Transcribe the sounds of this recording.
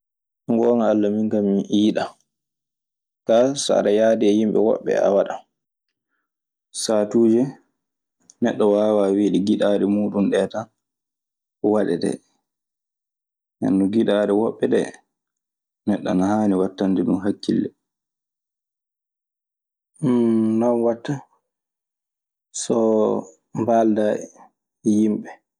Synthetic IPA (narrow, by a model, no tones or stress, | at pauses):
ŋɡɔːŋaːlːamiŋkaminʔiːɗa | kasa̰ɗajaːdiɛjimɓɛ̰wɔ̰ɓːɛ̰a̰waɗa | saːtuːd͡ʒɛ | nɛɗːɔwaːwaːwiːɗiɡiɗaɗɛmuːɗunɗɛːtan | ɔwaɗɛdɛ̰ | na̰nːuɡiɗaːɾɛwɔɓːɛɗɛ̰ | nɛɗːɔ̰nahaːniwatːandɛɗumɦakːḭlːɛ | nanwatːa | sɔ | mbaldaɛ | jimɓɛ